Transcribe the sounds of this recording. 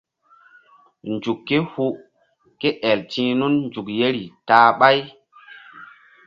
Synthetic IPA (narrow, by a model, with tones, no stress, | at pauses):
nd͡ʒu˨kːe˦hu˦ | ke˦ʔɛ˨ltĩː˦nu˦nnd͡ʒu˨kje˦ɾi˨taː˦ɓa˦j